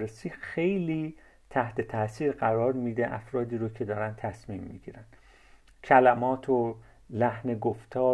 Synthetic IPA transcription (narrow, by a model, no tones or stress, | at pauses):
esiːxe̞jliː | t̪ʰæht̪ʰe̞t̪ʰæsiːɾɢæɾɒːɾmiːd̪eʔæ̰fɾɒːd̪iːɾocʰe̞d̪ɒːɾænt̪ʰæsmiːmːḭːɡḭːɾænd̪̥ | cʰælæmɒːt̪ʰo | læhneɡoft̪ʰɒː